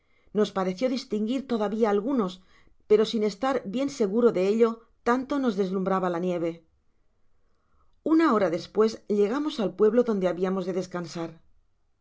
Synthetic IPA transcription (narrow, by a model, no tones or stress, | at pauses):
no̞spaɾe̞θjo̞ðist̪iŋɡiɾt̪o̞ðaβiaːlɣuno̞s | pe̞ɾo̞sine̞st̪aɾbje̞nse̞ɣ̞uɾo̞ðe̞eʎo̞ | t̪ant̪o̞no̞zðe̞zlumbɾaβalanje̞β̞e̞ | unao̞ɾaðe̞spwe̞zsʎe̞ɣamo̞salpwe̞βlo̞ðo̞nd̪e̞aβiamo̞zðe̞ðe̞skansaɾ